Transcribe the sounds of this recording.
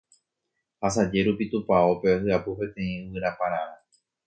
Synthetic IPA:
has̬ad͡ʒe̞ɾupit̪upaopesɨapupẽ̞t̪ẽ̞ĩɨwɨɾapãɾ̃ãɾa

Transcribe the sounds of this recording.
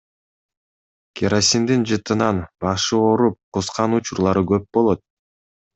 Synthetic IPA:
kʲʰeɾosʲind̪ind͡ʒɯt̪ɯnɑnbɑʃɯoɾup̚qusqɑnut͡ʃuɾlˠɑɾɯɡøp̚bo̞lˠo̞t̪̚

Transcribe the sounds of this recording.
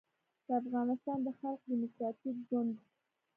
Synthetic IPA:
d̪̥əafɣɑnɪst̪ɑnd̪əxalq̚d̪imʊkɾɑt̪ifɡond̪

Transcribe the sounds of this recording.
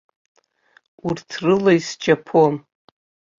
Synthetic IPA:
urtʰrɨlajsd͡ʒapʰon

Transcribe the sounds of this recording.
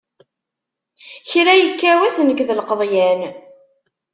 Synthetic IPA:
çɾæjəkːæwæsnəkðlqəðˤjæn

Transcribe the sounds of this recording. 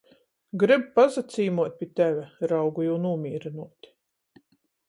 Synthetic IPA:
ɡɾibpazat̪siːmuɔt̪̚ʲpʲiːt̪ævʲæɾawɡujuːnuːmʲiːɾinuɔt̪ʲ

